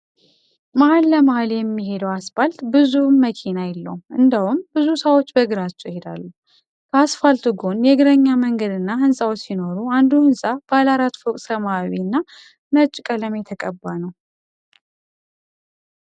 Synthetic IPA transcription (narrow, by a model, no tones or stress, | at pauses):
məhalːəmahaljɛmːiɦe̞d̪əwasfalt̪bɨzumːəkʰinajɛlːə̰wuʔɨnd̪awumbɨzusəwot͡ʃːbəɡɨɾat͡ʃːɛwjɪhe̞d̪a̰lːu | kʰəasfalt̪uɡo̞njɛɡɨɾəɲːaməŋɡəd̪ɨnːaɦɨnsʼawot͡ʃsino̞ɾuand̪unsʼab̥alaɾat̪fokʼsəmawinːa | nət͡ʃʼːkʼələmjɛt̪ʰəkʼəbːanəw